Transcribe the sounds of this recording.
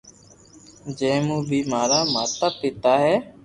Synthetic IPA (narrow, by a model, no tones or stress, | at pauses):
d͡ʒɛ̃ːmũːbʱiːmaːɾaːmaːt̪apɪt̪aːɦɛː